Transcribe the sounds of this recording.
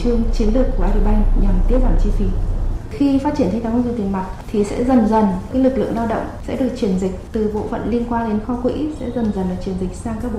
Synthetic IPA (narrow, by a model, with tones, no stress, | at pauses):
t͡ɕɨ˧əŋt͡ɕi˨˦ənlɨ˨˩əkːu˧˩ʔaː˧ɗi˧˩ɓa˧jŋ̟ɲa˨˩mt̪i˦˥ət̚ɓaː˧˨˩nt͡ɕi˧fi˨˦xi˧fa˦˥t͡ɕi˧˩ənt̪ʰa˧jt̪ʰa˨˦zɨ˧˩t̪i˨˩ŋma˨˩t̚t̪ʰi˨˩sɛ̰˧˥zə˨˩nzə˨˩nkaː˨˦˥jlɨ˨˩k̚lɨ̰˧˨ə˨ŋlaː˧wɗə̰˧˨wŋ͡msɛ̰˧˥ɗɨ˨˩ə˩k̚t͡ɕi˧˩ənzï˨˩k̟̚t̪ɨ˨˩ɓo̰˧˨fə̰˧˨nli˧ənkwaː˧nɗe˨˦nxɔ˧kwḭ˧˥sɛ̰˧˥zə˨˩nzə˨˩nlaː˨˩t͡ɕi˧˩ənzi˨˩k̟̚saː˧ŋkaː˦˥k̚ɓ̰